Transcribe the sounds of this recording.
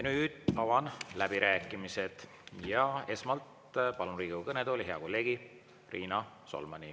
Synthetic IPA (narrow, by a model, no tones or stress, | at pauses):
jɑnyːd̪̥ɑwɑnlæb̥iɾæːkːˑimise̞d̪̥ | jɑe̞smɑlt̪ | pɑluɾiːɡukɤned̪o̞liɦe̞ɑko̞lːe̞ːɡ̥i | rʔiːnɑ | so̰lmɑnḭ